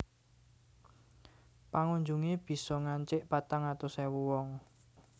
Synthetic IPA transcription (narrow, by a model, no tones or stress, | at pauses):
paŋuɲd͡ʒuŋeb̥i̤sɔŋaɲt͡ʃɪʔpat̪aŋat̪osɛwuwɔŋ